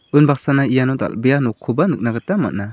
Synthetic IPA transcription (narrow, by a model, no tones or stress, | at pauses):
ɯnbak̚sanaijanɔd̪a̰lbɛjanɔkʰːubanɯk̚naɡɯtama̰t̚na